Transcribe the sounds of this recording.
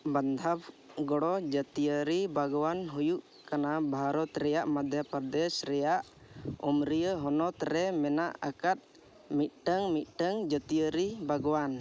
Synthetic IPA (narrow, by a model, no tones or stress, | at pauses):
band̪ʱab | ɡɔɽɔd͡ʒət̪ijəɾibʱaɡɔwanɦujuʔ | kanabʱaɾɔt̪ɾɛjaʔmad̪ʱjapəɾd̪ɛsɾɛjaʔ | ɔmɾijəɦɔnɔt̪ɾɛmɛnaʔa̰kat̪̚ | mit̪̚ˀʈəŋmit̪̚ˀʈəŋd͡ʒət̪ijəɾibʱəɡɔwan